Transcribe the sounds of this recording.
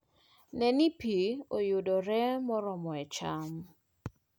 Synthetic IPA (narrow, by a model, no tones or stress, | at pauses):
nɛnipiojʊdɔɾɛmɔɾɔmɔɛt͡ʃam